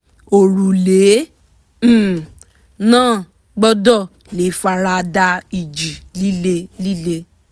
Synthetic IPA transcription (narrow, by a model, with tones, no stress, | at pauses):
o˨ɾu˨le˨˦˨ | nãː˦˨ | ɡ͡bɔ˦dɔ˦˨ | le˨˦˨fa˧ɾa˧da˧i˨d͡ʒi˨li˦le˧li˦le˧